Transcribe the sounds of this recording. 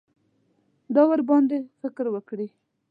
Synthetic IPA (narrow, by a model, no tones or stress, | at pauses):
d̪ɑwaɾbɑnd̪efɪkɾwəkɽi